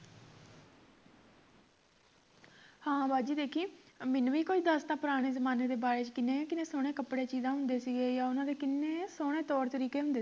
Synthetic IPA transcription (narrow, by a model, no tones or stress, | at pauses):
hãːbaːd͡ʒiːd̪eːkʰiːmɪnũːiːkoid̪əst̪ãːpəɾaːɽ̃eːzəmaːneːd̪eːbaːɾeːt͡ʃkɪneːkɪneːsoːɽ̃eːkəpɽeːt͡ʃiːzãːɦʊ̃nd̪eːsiːɡeːjaːʊnãːd̪eːkɪnːeːsoːɽ̃eːt̪ɔːɾt̪əɾiːkeːɦʊ̃nd̪eː